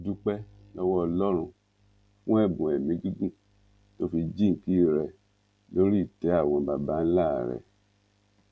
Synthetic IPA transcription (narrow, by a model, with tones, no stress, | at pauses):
d͡ʒu˧k͡pɛ˦ | lɔ˧wɔ˦ɔ˧lɔ˦ɾ̃ũ˧ | fũ˦ɛ˦˨bũ˨ɛ˨mĩ˨˦ɡi˦ɡũ˦˨ | to˦fi˧d͡ʒĩ˦ŋ˨ki˦ɾɛ˨ | lo˦ɾi˦˨tɛ˨˦a˦˨w̃ɔ̃˨˧˨ba˨ba˦n̩˦la˦˨ɾɛ̰˨